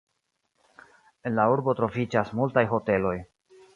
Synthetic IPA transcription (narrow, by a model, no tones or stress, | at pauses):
e̞nlauɾbo̞tɾo̞vid͡ʒasmultajɦo̞te̞lo̞j